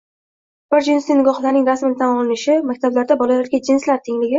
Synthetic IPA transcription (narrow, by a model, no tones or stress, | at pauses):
b̥ɪɾd͡ʒɪnsɪnɪɡɒχlaɾnɪŋd̪asmɪnt̪ʰanɒlˠɪnɪʃɪmakʲt̪ʰablaɾd̪abɒlalaɾɡʲad͡ʒɪnslaɾt̪ʰɪŋlɪɡʲɪ